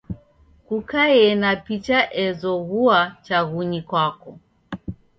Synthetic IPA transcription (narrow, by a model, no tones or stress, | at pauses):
kukajɛnapit͡ʃaʔɛzɔɣuat͡ʃaɣuɲikwakɔ